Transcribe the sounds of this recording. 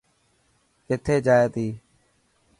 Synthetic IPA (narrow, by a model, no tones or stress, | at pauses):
kɪt̪ʰeːd͡ʒaːjet̪iː